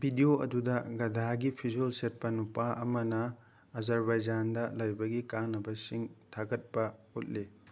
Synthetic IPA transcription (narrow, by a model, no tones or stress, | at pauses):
bʱidioɐ̰dudɐɡɐdʱaɡipʰizelset̚pɐnupaʔɐmɐnɐ | ɐzɐɾbajd͡ʒandɐlɐjbɐɡikanɐbɐsiŋtʰaɡɐt̚pɐut̚li